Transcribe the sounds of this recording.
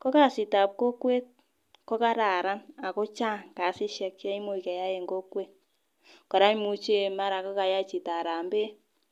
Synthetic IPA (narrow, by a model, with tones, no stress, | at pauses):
kɔ˦ka˨sɪ˨ta˨p̚ko˦kwe˦t̚ | kɔ˦ka˦ɾa˨ɾa˦na˨ko˦t͡ʃa˦ŋka˨si˦ʃɛ˨kːa˦i˦mu˦i˨ka˨ja˦je˨ŋɡo˦kwe˦t | kɔ˨ɾa˦ɲ˦mu˦t͡ʃe˦ma˦ɾa˨kɔ˦ka˨ja˦t͡ʃi˨ta˨ɾa˨mbe˦